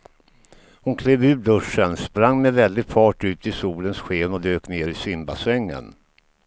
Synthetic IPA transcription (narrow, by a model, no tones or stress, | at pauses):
hʊnkʰleːvʉ̟ːɖɵʂːənspɾaŋːmɛvɛld̪ɪɡpʰɑːʈʉ̟ːt̪ʰɪsuːlənsɧeːnɔd̪øːkneːɾɪsʏmbasɛŋːə̰n